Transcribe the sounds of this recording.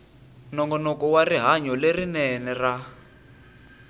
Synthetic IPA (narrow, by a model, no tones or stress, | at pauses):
nɔŋɡɔnɔkɔwariɦaɲɔlerinɛnɛra